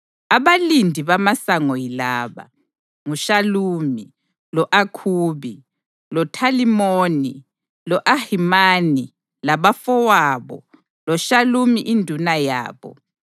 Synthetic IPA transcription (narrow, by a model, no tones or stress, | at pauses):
aβalindʱiβamasaŋɔjilaːβa̰ | ŋuʃaluːmi | lɔʔakʰuːβi | lɔtʰalimoni | lɔʔahimaːni | laβafɔwaːβɔ̰ | lɔʃalumiʔindʱunaja̰ːβɔ̰